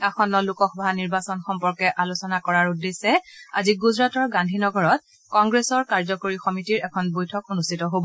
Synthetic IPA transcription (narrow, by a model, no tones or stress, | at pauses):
axɔnːɔlukɔxbʱaniɹbasɔnxɔmpɔɹkɛʔalosɔnakɔɹaɹudesɛaziɡuzɹatɔɹɡandʱinɔɡɔɹɔt̚ | kɔŋɡɹesɔɹkaɹzɔkoɹixɔmitiɹɛkʰɔnbojtʰɔkonustʰitɔɦobɔ